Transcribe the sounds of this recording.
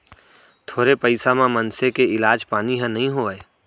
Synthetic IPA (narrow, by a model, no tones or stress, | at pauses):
t̪ʰoːɾepəɪsamãmɐnsekeɪlaːd͡ʒpaːniɦɛ̃nɐɦĩɦoːeː